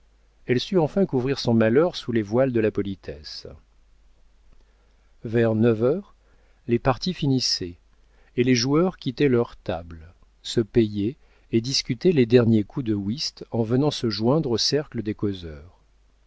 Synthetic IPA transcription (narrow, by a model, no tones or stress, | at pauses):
ɛlsyɑ̃fɛ̃kuvʁiʁsɔ̃malœʁsulevwald̪əlapɔlit̪ʰɛs | vɛʁnəvœʁ | lepaʁt̪ifinisɛ | eleʒuœʁkʲit̪ɛlœʁt̪abl | səpeje | ed̪iskʲyt̪ɛled̪ɛʁnjekʰud̪əwist̪ɑ̃vənɑ̃səʒwɛ̃d̪ʁosɛʁkləd̪ekozœːʁ